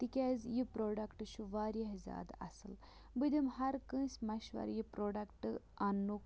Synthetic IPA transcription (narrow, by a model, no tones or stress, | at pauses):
t̪ikʲazjipɾoːɖɐkʈɨʃuʋaːɾɐɦzʲa̰ːd̪ɐ̰sɨl | bɨd̪imhɐɾkə̃ːsʲmɐʃʋɐ̰ɾjipɾoːɖɐkʈɐnːuk